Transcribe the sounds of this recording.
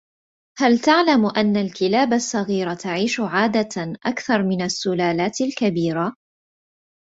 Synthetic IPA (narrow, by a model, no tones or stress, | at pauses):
halt̪aʕlamʔanːalkɪlaːbasˤːɑɣiːɾat̪aʕiːʃʊʕaːd̪aʔakθɑɾˤmɪnasːʊlaːlaːt̪alkabiːɾa